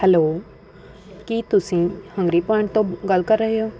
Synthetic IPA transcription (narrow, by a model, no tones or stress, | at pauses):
hɛloː | kit̪ʊsĩhɐ̃ŋɡɾipãɳʈt̪õɡɐlkəɾːɐɦjoː